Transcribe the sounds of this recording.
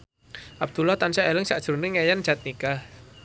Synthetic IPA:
ʔab̚d̪̥ulaht̪ansaʔelɪŋsa̰ʔd̥ʒ̥ṳrniŋejandd͡ʒ̥at̪̚nika

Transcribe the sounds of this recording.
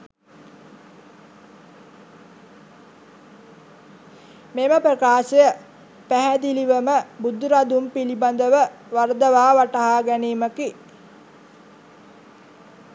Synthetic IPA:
meməprəkaːʃejə | pæɦæd̪iliʋəməbud̪ːuɾad̪umpiliband̪əʋə | ʋaɾd̪əʋaːʋaʈɐɦaːɡæniːməki

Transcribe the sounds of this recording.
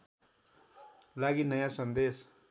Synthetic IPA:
laɡinʌjãsʌnd̪es

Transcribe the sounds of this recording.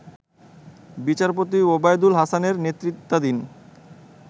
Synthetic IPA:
bit͡ɕaɾpot̪̬iobajd̪ulɦasaneɾnet̪ːɾit̪ːad̪in

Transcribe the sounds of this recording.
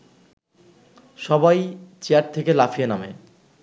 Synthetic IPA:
ʃɔbajt͡ɕeaʈ̚t̪ʰekelafijenamḛ

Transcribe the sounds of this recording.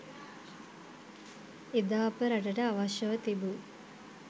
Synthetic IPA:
ed̪aːɐpəɾɐʈɐʈəaʋaʃjɐʋət̪ibu

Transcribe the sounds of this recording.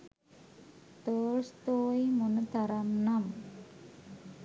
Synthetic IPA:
t̪oːst̪oːjmunt̪ɐɾɐmnɐm

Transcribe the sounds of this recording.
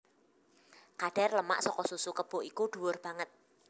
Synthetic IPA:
kaɖ̥ɛ̤rləma̰ʔsɔkɔsusukəb̥o̤ʔikuɖ̥ṳwʊrb̥a̤ŋət̪̚

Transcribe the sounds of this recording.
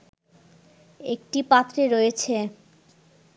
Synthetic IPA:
ek̚ʈipat̪ːɾeɾojet͡ɕʰe

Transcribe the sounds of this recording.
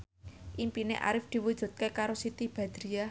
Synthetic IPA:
ʔimpinḛʔa̰ɾɪfd̪̥i̤wud̥ʒ̥ṳt̪̚kekaɾosit̪ib̥ä̤d̪̥ɾia

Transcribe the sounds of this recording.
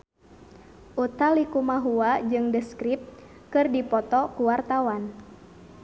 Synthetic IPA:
ʔut̪alikumaɦuad͡ʒɨŋdəskɾip̚ | kɨrdipɔt̪ɔkuwart̪awan

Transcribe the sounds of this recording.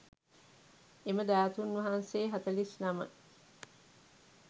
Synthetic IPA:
eməd̪æːt̪unːʋɐɦanseːɦɐt̪ɐlisnɐmə̰

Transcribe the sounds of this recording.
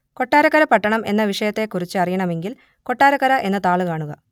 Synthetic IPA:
ko̞ʈːaːɾɐkːɐɾɐpɐʈːɐɳɐme̞nːɐʋiʂɐjɐt̪ːe̞kurit͡ɕːɨɐrijɐɳɐme̞ŋɡil | ko̞ʈːaːɾɐkːɐɾɐʔe̞nːɐt̪aːɭɨkaːɳuɣɐ̰

